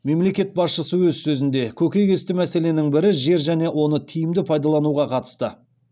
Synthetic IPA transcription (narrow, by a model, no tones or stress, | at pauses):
me̞mle̞kʲe̞t̪̚bɑsʃəsəwɵzsɵzɪnd̪e̞kʲʰɵkʲe̞jɡʲe̞st̪ɪmæse̞le̞nɪŋbɪɾɪʒe̞ɾʒæne̞wo̞nət̪ʰijɪmd̪ɪpʰɑjd̪ɑlˠɑnuʁɑqʰɑt̪ə̥st̪ə